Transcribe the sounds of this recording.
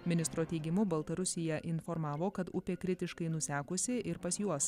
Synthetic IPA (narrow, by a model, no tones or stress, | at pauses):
mʲɪnʲɪst̪ɾoːt̪ʲɛɪɡʲɪmʊbɐlˠt̪ɐɾʊsʲɪjɛʔɪnfɔɾmɑːʋoːkɐt̪ʊpʲeːkɾʲɪt̪ʲɪʃkɐɪnʊsʲæːkʊsʲɪʔɪɾpɐsjuɔs